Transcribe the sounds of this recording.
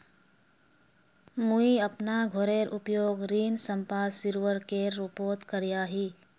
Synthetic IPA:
muiəpnaɡʱoɾeɾʔʊpjoːɡɾiːnsə̃mpaːsiɾʋəɾkeːɾːʊpoːt̪kəɾijaːɦiː

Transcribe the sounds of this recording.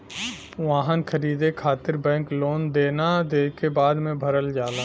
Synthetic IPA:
ʋaːɦənkʰəɾiːd̪ekʰaːt̪ɪɾbɛ̃ːkloːnd̪eːnad̪eːkebaːd̪mẽbʱɐɾəld͡ʒaːlaː

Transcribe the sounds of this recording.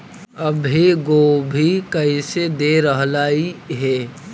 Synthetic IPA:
əbʱiɡoːbʱikɐɪsed̪eɾəɦlaːiɦɛː

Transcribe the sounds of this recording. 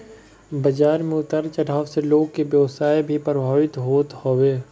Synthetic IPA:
bɐd͡ʒaːɾmẽʊt̪əɾt͡ʃɐɽ̤aːʋseloːɡ̚kebjəʋsaːibʱipɾəbʱaːʋɪt̪ɦoːt̪hoːʋeː

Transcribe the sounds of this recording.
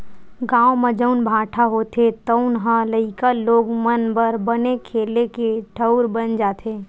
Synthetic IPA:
ɡãːwmed͡ʒəʊnbʱaːʈʰaɦoːt̪et̪əʊnɦə̃ləɪkəlːoːɡmənbəɾbənekʰeːlekeʈʰəʊɾbənd͡ʒaːt̪ʰe

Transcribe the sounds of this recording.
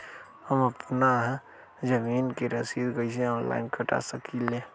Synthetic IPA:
həməpnaɦɛ | d͡ʒəmiːnkeɾəsid̪ɡəis̬eɔ̃ːnla̰ɪnkʰəʈa̰səkile

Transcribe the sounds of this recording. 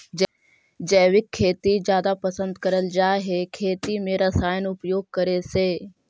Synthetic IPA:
d͡ʑɐːʋɪkʰːeːt̪izjaːd̪apɐsə̃nd̪kɐɾəld͡ʑaːɦekʰeːt̪imẽɾɐsaːɪnʊpjoːɡ̚kɐɾeseː

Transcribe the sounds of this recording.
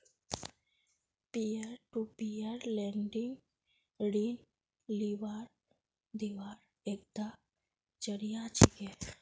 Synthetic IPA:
piəɾʈupiəɾlɛɳɖiŋɡ | ɽiːn | liʋaːɾ | d̪iʋaːɾ | ek̚d̪a | d͡ʒəɽijat͡ʃʰike

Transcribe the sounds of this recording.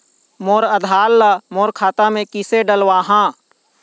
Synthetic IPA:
moːɾəd̪ʱaːlːamoːɾkʰaːt̪amẽkɪseɖəlwaːɦãː

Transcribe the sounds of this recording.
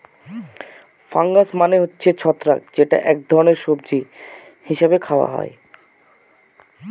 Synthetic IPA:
faŋɡasmaneɦotːɕʰet͡ɕʰɔt̪ːɾa̰k̚d͡ʑeʈa̰ʔɛk̚d̪ʱɔɾoneɾʃob̚d͡ʑi | hiʃabekʰaoa̰ɦɔ̰e

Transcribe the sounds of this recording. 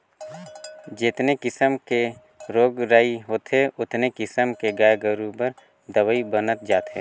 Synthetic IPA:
d͡ʒɪt̪nekɪsəmke | ɾoːɡɾaːiɦoːt̪ɦeʊt̪nekɪsəmkeɡaːjɡəɾubəɾ | d̪əwəibənət̪̚d͡ʒaːt̪ɦɛ̰ː

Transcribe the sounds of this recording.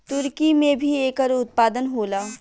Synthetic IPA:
t̪ʊɾkimẽbʱieːkəɾʊt̪̚paːd̪ənɦoːlaː

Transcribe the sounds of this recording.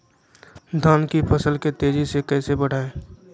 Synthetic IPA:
d̪ʱaːnkipʰəsəlket̪eːd͡ʒisekɛːsebəɽ̤aːeː

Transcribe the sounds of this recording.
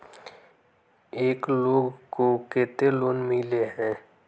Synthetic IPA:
eːkloːɡkokeːt̪eloːnmɪleɦɛ̃ː

